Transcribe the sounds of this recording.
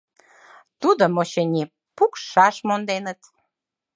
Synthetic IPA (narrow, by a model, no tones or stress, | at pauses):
t̪ud̪omoɕenʲi | pukʃɑʃmond̪enət̪